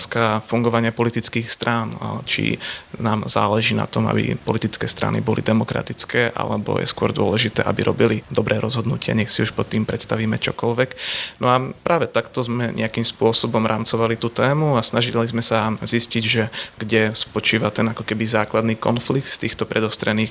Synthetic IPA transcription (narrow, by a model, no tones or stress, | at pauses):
skafuŋɡɔʋaɲɪapɔlit̪it͡skiːxst̪ɾʔaːnt͡ʃḭnaːmza̰ːlɛʒiːna̰t̪ɔma̰bḭpɔlit̪it͡skɛːst̪ɾa̰nḭbɔlid̪ɛmɔkɾa̰t̪it͡skɛːʔa̰lɛbɔ̰jɛ̰skʊɔ̰ɾd̪ʊɔlɛʒit̪ɛːʔabiɾʔɔbilid̪ɔbɾʔɛːɾʔɔzɦɔd̪nucɪa̰ɲɛxsiuʃpɔt̪ːiːmpɾɛt̪st̪aʋiːmɛt͡ʃɔkɔlʋɛknɔapɾʔaːʋɛt̪akt̪ɔzmɛɲʔɛ̰akiːmspʊɔsɔbɔmɾʔaːmt͡sɔʋalit̪uːt̪ɛːmuasnaʒillizmɛsazisciɟʒɛɡɟɛspɔt͡ʃiːʋat̪ɛnakɔkɛbizaːklad̪niːkɔ̰nflik̚t̪st̪iːxt̪ɔpɾɛd̪ɔst̪ɾɛniːx